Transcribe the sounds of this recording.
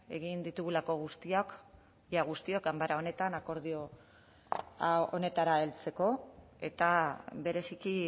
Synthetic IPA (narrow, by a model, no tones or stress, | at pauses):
e̞̰ɣ̞ind̪it̪uɣ̞ulako̞ɣ̞ust̪iok | jaɣ̞ust̪iokambaɾao̞ne̞t̪anako̞ɾð̞io̞ | ao̰ne̞t̪aɾaelt͡se̞ko̞ | e̞t̪aβe̞ɾe̞siki